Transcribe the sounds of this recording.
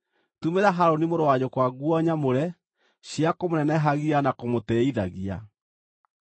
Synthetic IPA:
tumeɾaɦaɾonimoɾoaɲokwaɣwɔɲamoɾɛ | ɕiakomonɛnɛɦaɣianakomotɛiðaɣia̰

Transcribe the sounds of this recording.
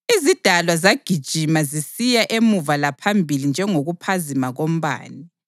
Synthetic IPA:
izid̥ʱalwazaɡ̥ʱid̥ʒ̥ʱimazisijaʔemuvalapʰambʱilind͡ʒʱɛŋoɣupʰazimaɣom̩βa̰ːni

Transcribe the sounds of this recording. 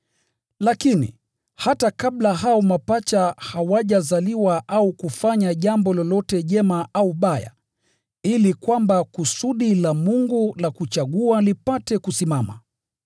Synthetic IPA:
lakinḭ | hatakaɓlaɦaɔmapat͡ʃahawaʄazaliwaʔaukufaɲaʄambɔlɔlɔtɛʄɛmaʔauɓaja̰ | ilikwambakusuɗilamuŋɡulakut͡ʃaɠualipatɛkusimama̰

